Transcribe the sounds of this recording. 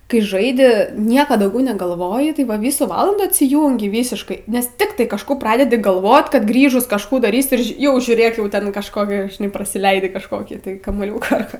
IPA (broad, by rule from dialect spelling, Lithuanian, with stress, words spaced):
kɐɪ ˈʒɐɪdʲɪ ˈnʲiɛkɐ dɐʊˈɡʲɛʊ nʲɛɡɐlˠˈʋoːjɪ tɐɪ ˈʋɐ ˈʋʲiːsuː ˈʋɑːlˠɐnduː ɐtʲsʲɪˈjuːŋʲɡʲɪ ˈʋʲiːsʲɪʃkɐɪ ˈnʲɛs ˈtʲɪktɐɪ kɐʃˈkuː ˈprɑːdʲɛdʲɪ ɡɐlˠˈʋoːt kɐt ˈɡrʲiːʒʊs kɐʃˈkuː dɐˈrʲiːsʲɪ ɪr ˈʒʲɪ ˈjɛʊ ʒʲuːˈrʲeːk jɛʊ ˈtʲɛn kɐʃˈkoːkʲɛ ʒʲɪˈnɐɪ prɐsʲɪˈlʲɛɪdʲɪ kɐʃˈkoːkʲiː tɐɪ kɐmuɔˈlʲuːkɑː ɐr ˈkɑː